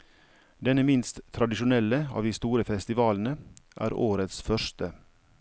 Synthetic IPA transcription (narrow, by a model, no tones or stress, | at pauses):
d̪ɛnəmɪnst̪ʰːɾɑd̪ɪʃʊnɛləɑ̰ːʋd̪iːst̪uːɾəfɛst̪ɪʋɑːln̩əʔæ̰ːɾoːɾət̪sfœʂt̪ə